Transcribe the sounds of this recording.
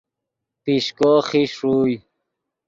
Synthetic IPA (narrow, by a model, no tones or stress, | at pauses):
piɕkoχiʂuj